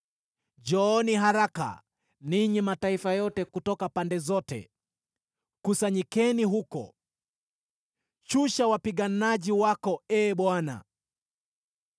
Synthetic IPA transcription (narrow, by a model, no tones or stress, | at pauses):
d͡ʒɔniɦaɾaka̰ | niɲimataifajɔtɛkutɔkapandɛzɔtɛ̰ | kusaɲikɛniɦukɔ̰ | t͡ʃuʃawapiɠanaʄiwakɔɛːɓwana̰